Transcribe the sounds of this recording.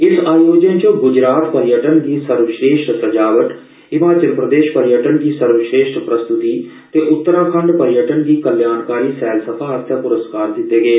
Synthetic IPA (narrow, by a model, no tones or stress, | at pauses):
ɪsaːjoːd͡ʒənt͡ʃəɡʊd͡ʒɾaːt̪pəɾjəʈənd̪iːsəɾʋʃɾeːʃʈsəd͡ʒaːʋəʈ | ɪmaːt͡ʃəlpɾəd̪eːʃpəɾjəʈənd̪iːsəɾʋʃɾeːʃʈpɾəst̪ʊt̪iː | t̪eːʔʊt̪ːəɾãːkʰəɳɖpəɾjəʈənd̪iːkəljaːnkaːɾiːsɛːlsəpʰaːət̪ʰjaːpʊɾəskaːɾd̪ɪt̪ːeːɡeː